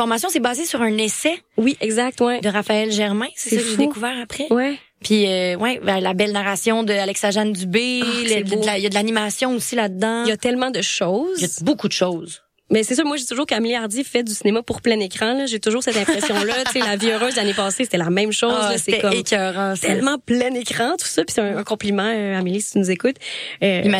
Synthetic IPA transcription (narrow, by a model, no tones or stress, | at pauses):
fɔʁmasjɔ̃sɛbɑːzesyʁɛ̃nɛsɛwiʔɛɡzak̚t̪wɛd̪əʁafaɛlʒɛʁmɛ̃sɛsɔkəʒed̪ekuvɛːʁapχɛwɛ | pʰiøwʔɛbɛlabɛlnaʁasjɔ̃d̪əalɛksaʒand̪ybedjad̪əlanimasjɔ̃osilad̪d̪ɑ̃jat̪ɛlmɑ̃d̪əʃɔzjabokud̪əʃoz | mɛsɛsœːmwaʒd̪it̪ʊʒuːʁkəamiliaʁd̪ifɛd̪ysinemapuʁplɛ̃nekχɑ̃lʌʒet̪ʊʒuːʁsɛt̪ɛ̃pχɛsjɔ̃lʌselaviøʁøːzd̪lanepɑːsese̥t̪ɛlamɛ̃mʃɔzlseɛt̪ɛkɔkʲœʁɑ̃st̪ɛlmɑ̃plɛ̃nekχɑ̃t̪u̥sʌpi̥sɛ̃ːkɔ̃plimɑ̃øamilist͡s̪inuzekʊt̪øim